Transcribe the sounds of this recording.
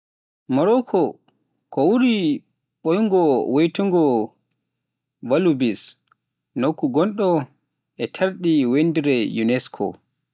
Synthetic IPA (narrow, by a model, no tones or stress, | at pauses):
mɔɾɔkʰɔ | kɔwuɾi | ɓojŋɡɔwejtuŋɡɔ | valubis | nokːuɡɔnɗɔ | ʔɛtʰaɾɗiwendiɾɛjunɛskʰɔ̰